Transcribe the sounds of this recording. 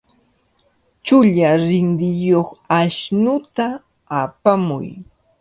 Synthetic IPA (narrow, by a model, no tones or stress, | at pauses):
t͡ʃʊʎaɾɪnd̪ɪjoχaʃnʊt̪aː | pamʊ̰j